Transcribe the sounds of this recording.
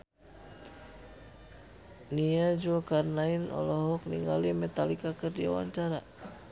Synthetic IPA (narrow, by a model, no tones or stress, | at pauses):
niad͡ʒuakarnainɔ̰lɔɦɔk̚niŋɡa̰limɛt̪alikakərdia̰wa̰ɲt͡ʃaɾa